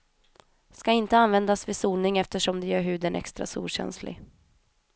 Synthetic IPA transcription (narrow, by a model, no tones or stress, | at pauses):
skaɪnt̪əanvɛnd̪asvɪsuːlnɪŋɛft̪əʂɔmd̪ɛjœːɾɦʉ̟ːd̪ənʔɛ̰kst̪ɾa̰sṵːlɕɛ̰nslɪ̰ɡ